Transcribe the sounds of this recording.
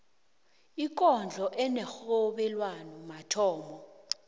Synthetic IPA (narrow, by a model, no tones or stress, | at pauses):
ik̬ʼɔnd͡ɮʱɔʔɛnɛxɔɓɛlwanɔmatʰɔːmbɔ